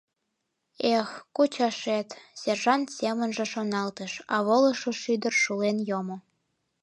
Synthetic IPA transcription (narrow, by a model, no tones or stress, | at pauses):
exkut͡ɕɑʃet̪sʲerʒɑnt̪semənʒĕʃonɑlt̪əʃɑ̰βoləʃoʃyd̪ərʃulenjomo